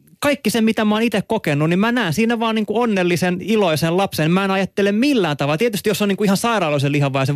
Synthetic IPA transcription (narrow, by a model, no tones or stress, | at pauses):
kɑikːisemmit̪æmɑːnit̪ekkokenːunnimmænæːnsinːæʋɑːniːŋkuonːelːiseniloisellɑpsenimæenɑjɑt̪ːelemmilːæːnt̪ɑʋɑlt̪iet̪yst̪ijosːoniŋkuihɑnsɑirɑːloiselihɑʋʋɑjse